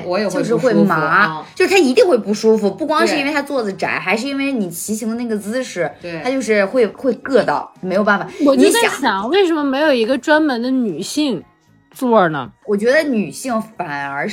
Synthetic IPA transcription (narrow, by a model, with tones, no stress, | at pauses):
wɔ˧˥jo˨˩jo˥˧ʊʂɻ̩˥˧xe˥˧˥ma˧˥t͡ɕjo˥˧ʂɻ̩˥t̪ʰa˥i˧˥t̪i˥˧ŋxwe˥˧pu˥˩ʂu˥fu˨˩pu˥˩kwɑ˥ŋʂɻ̩˥i˥we˥˩ɪa˥t͡swɔ˥˩d͡zə˨˩ʈ͡ʂa̰˨˩˦ɪxa˧˥ɪʂɻ̩˥˩˧i˥nwe˥˩ɪni˨˩t͡ɕʰi˧˥ɕi˧˥ŋd̪ə˧na˥˩ɡə˩t͡sɹ̩˥ʂɻ̩ʰ˥˩a˥t͡ɕjo˥˧ʊʂ̬ɻ̩˥˧xwe˥˧ɪxwe˥˧ɪkɤ˥˧t̪ɑ˥˩ʊme˧˥ɪjo˨˩ʊa˥˩fa˨˩wɔ˨˩t͡ɕɥɛ˧˥djɑ̰˨˩˦ɕjɑ˨˩ŋwe˥˩ɪʂ̬ə˧˥nmə˧me˧˥ɪjo˨˩ʊi˧˥ɡə˧ʈ͡ʂwa˥nmə˧˥nd̪ə˧ny˨˩ɕi˥˩ŋ | t͡swɔ˥˩nə̰˩wɔ˨˩t͡ɕɥɛ˧˥d̪ə˧ny˨˩ɕi˥˩ŋfa˨˩nə˞˧˥